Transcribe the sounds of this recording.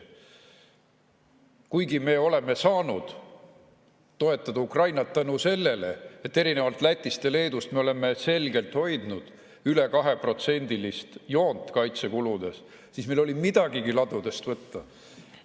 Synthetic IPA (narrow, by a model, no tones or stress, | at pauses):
kujɡime̞ːo̞le̞me̞sɑːnud̪̥ | o̞e̞t̪ːˑɑd̪ɑukrɑjnɑt̪ːænuse̞lːe̞le̞̰et̪ːe̞ɾine̞vɑlt̪ˑlæt̪ʲːˑist̪e̞le̞ːd̪ust̪me̞o̞le̞mːe̞se̞lɡe̞lt̪ho̞jd̪̥nud̪̥ | yle̞kɑɦe̞pro̞t̪se̞nʲd̪̥ilist̪jo̞ːnt̪ːˑkɑjt̪se̞kulud̪̥e̞sː | iːsmejlo̞lʲimid̪̥ɑɡ̥iɡilɑd̪̥ud̪e̞st̪vɤt̪ːɑ